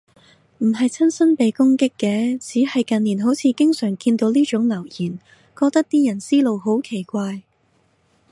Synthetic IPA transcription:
m̩˨˩ɦɐ˨jt͡sʰɐ˥nsɐ˥npe˨jkʊ˥ŋkɪ˥kːɛː˨˥t͡sʰiː˨˥hɐ˨jkɐ˨nːiː˨˩nɦo˨˥wt͡sʰiː˨˧kɪ˥ŋsœː˨˩ŋkiː˧nt̪o˨˧wliː˥t͡ʃʊ˨˥ŋlɐ˨˩wjiː˨˩n | kɔː˧k̚t̪ɐ˥k̚t̪iː˥jɐ˨˩nsiː˥lo˨˧wɦo˨˥wkʰe˨˩jkʷaː˧j

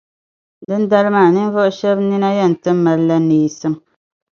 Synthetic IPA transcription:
dɨ˦nda˦lɨ˦maː˦˨nɨ˦n˦vɔ˦ʔʊ˦ʃɛ˦bni˦na˦jɛ˦˨n̩˨tɨ˦mː˦a˨lla˦niː˨sɨ˦m

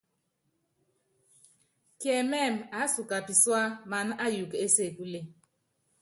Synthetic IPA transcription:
kjɛ˨mɛ˦˨ma˨˦su˨ka˨pi˨swa˦ma˨n˦a˦ju˨ke˦se˦˨ku˦le˦˨

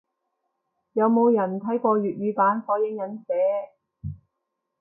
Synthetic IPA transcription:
jɐ˨˧wmo˨˧wjɐ˨˩nt̪ʰɐ˨˥jkʷɔː˧ɥyː˨t̚ɥyː˨˧paː˨˥nfɔː˨˥jɪ˨˥ŋjɐ˨˧˥nsɛː˨˧˥

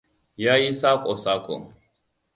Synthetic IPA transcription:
ja˦ji˦sa˦kʼɔ˨sa˦kʼɔ̰˨

